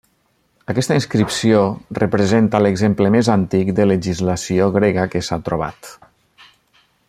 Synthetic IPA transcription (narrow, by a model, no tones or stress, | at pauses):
əkɛst̪əinskɾipsiorəpɾəzent̪ələɡzempləmezant̪ikd̪ələʒizləsioɣɾɛɣəkəsat̪ɾoβ̞a̰t̪